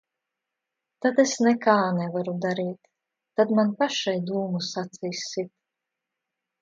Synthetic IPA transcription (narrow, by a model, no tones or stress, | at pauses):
t̪ad̪esnɛkaːnɛvaɾud̪aɾiːt̪ː | ad̪manpaʃajd̪uːmusat̪sijsːit̪